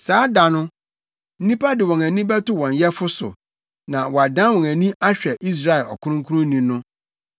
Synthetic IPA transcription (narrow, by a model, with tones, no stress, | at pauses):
saː˨˦da˨nʊ̃˦ | n̩˦nĩ˦pʰa˦dɪ˨wɔ̃˨næ̃˨nĩ˦bɛ˦tʊ˦wɔ̃˨njɛ˦fʊ˦sʊ̰˨ | nã˨wɔ˨a˨dã˦nwɔ̃˨næ̃˨nĩ˦ʔa˦ɕᶣɛ˨ʔi˦s̬ɾa˦˨ɛ˨lɔ̰˨kʰʊ̃˦ʊ̃˦ŋkʰu˦ʊ̃˦nĩ˨nʊ̃˦